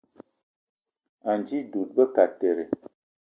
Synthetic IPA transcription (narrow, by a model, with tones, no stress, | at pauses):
a˨nd͡ʒi˦du˨t̚bə˦ka˨te˨ɾe˨